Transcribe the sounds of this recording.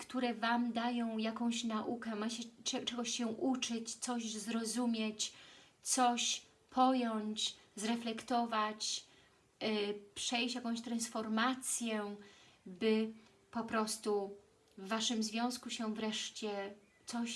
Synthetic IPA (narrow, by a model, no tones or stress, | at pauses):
kt̪uɾɛvamd̪ajɔ̃w̃jakɔ̃w̃ɕnaʔukɛmat͡ɕɛɛt͡ʂɛɡɔɕɕɛʔut͡ʂɘt͡ɕt̪sɔʑzɾɔzumʲjet͡ɕt̪sɔɕ | pʰɔjɔɲt͡ɕzɾɛflɛkt̪ɔvat͡ɕ | pʂɛjt͡ɕjakɔ̃w̃ɕt̪ɾãnsfɔɾmat̪sʲjɛ | bɘ | pɔpɾɔst̪u | vːaʂɘmzvʲjɔ̃w̃skuɕɛvɾɛʂt͡ɕɛ | t̪sɔɕ